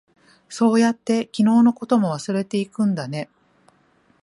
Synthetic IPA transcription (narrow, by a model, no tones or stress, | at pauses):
so̞ːjat̪ːe̞kʲino̞ːno̞ko̞t̪o̞mo̞β̞asɨɾe̞t̪e̞ikɯ̟̃nd̪ane̞